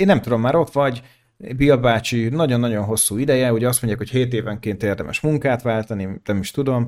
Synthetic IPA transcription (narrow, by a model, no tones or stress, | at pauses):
eːnːɛmt̪ud̪o̞mːaːɾo̞t̪ʋɒɟ | biɒbaːt͡ʃinɒɟo̞nːɒɟo̞nɦo̞sːuːid̪ɛjɛuɟɛɒst̪mo̞ɲɟjaːkho̞cheːt̪eːvɛŋkeːnt̪eːrd̪ɛmʔɛ̰ʃmuŋkaːt̪ʋaːlt̪ɒninɛmiʃt̪ud̪o̞m